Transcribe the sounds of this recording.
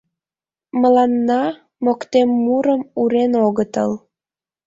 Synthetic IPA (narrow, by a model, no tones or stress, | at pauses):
məlɑnːɑ | mokt̪emːuɾəmuɾenoɣət̪ə̰l